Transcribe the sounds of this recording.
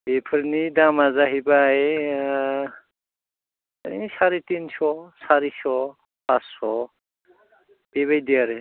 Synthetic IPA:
bepʰɯɾnidamazaɦibae | isaɾitinsɔsaɾisɔ | pasːɔ | b̥eβajdiaɾe

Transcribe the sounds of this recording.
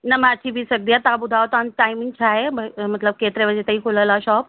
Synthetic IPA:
nəmat͡ɕibʱisəɡ̚d̪jat̪abud̪ʱaʋt̪anʈajmiŋɡ̚t͡ɕʰaɦebəmət̪ləb̚ket̪ɾeʋəd͡ʑet̪əɦiːkʰoləlaɕɔːp̚

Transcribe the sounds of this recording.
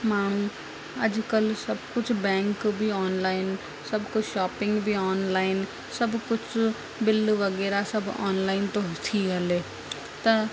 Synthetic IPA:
maːɳ̤ũ | ɐd͡ʒkəlsɐbkʊt͡ʃʰbɛ̃ːŋkbʱiɔːnlaːɪn | sɐbkʊt͡ʃʰʃaːpɪ̃ŋɡbʱiɔːnlaːɪn | sɐbkʊt͡ʃʰ | bɪlʋəɡɛːɾasɐbɔ̰ːnlaːɪnt̪õɦt̪ʰiɦɛleː | t̪ɐ

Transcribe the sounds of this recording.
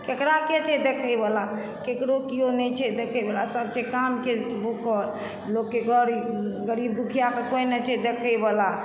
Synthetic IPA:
kekɾaket͡ʃʰɛd̪ekʰəjbela | kekɽokionɛt͡ʃʰɛd̪ekʰəɪbelasəbt͡ʃɛkamkebukɔɾ | lokːeɡʱəɾɡəɾib̚d̪ukʰijakekojnɛt͡ʃʰɛd̪ekʰəɪbela

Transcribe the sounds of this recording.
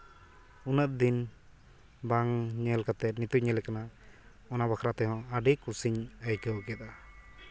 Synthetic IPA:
unət̪̚d̪in | baŋɲɛlkat̪ɛt̪̚nit̪uɲɛlɛkana | ɔnabakʰɾat̪ɛɦɔ̃əɖikusiɲəjkəwkjət̪a

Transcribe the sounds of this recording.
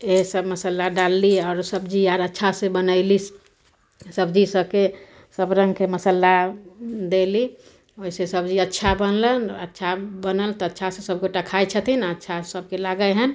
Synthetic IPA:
eɦsəbməsəlːaɖalːiɔːɾsəbd͡ʒijaɾətːʃʰasẽbənəɪlis | səbd͡ʒisəke | səbɾə̃ŋɡkeməsəlːa | d̪eli | oisesəbd͡ʒiətːʃʰabənlənətːʃʰabənəlt̪ɔətːʃʰasẽsəb̚koʈəkʰajt͡ʃʰət̪ʰinətːʃʰasəb̚kelaɡəɦən

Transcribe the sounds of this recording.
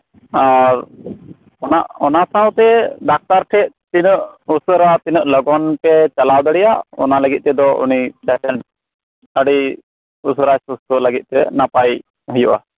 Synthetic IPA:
aɾ | ɔnaʔɔnasawt̪ɛɖak̚t̪aɾʈʰɛʔ̚t̪inəʔusəɾat̪inəʔlɔɡɔnpɛt͡ʃalawd̪əɽɛjaʔɔ̰naləɡit̪̚ˀt̪ɛd̪ɔʔṵnit͡ʃɛʈɛɳʈ̚ | əɽi | usəɾajsust̪uʔləɡit̪̚t̪ɛnapaj | ɦujuʔa̰

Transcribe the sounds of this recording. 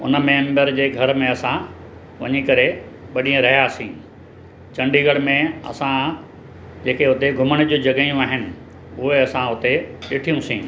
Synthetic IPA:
ʊ̰nə̆mẽːmbəɾd͡ʑeːɡʱɐɾmẽɐsã | ʋɐ̰ɲikɐɾe | ɓɐɗiə̃ɾɐɦijaːsĩː | t͡ɕɐ̃ɳɖiɡəɽmẽɐ̰sã | d͡ʑeːkeɦʊt̪eɡʱʊməɽ̃d͡ʑuːd͡ʑɐɡaijũaːɦɪnɪ̆ | ʊɦeɐsãʊt̪eɗɪʈʰijũsĩː

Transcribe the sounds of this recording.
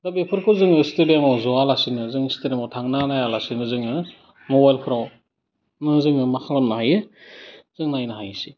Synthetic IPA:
dabepʰɯɾkʰɯwzɯŋɯsteɾiamawzɔalasinɯzɯŋsteɾemawtʰaŋnanajalasinɯzɯŋɯ | mobajlkʰɯɾaw | nɯzɯŋɯmakʰaŋlamnaɦajɯ | z̥ɯŋnajnaɦajsi

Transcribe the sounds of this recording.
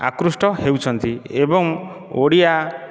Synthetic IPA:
a̰kɾusʈɔhewt͡ʃʰɔnt̪iebɔŋ | oɽia

